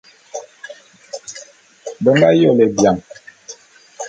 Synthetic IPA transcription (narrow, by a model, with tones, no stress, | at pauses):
bə˨mba˦jɔ˦˨lɛ˨bja˨ŋ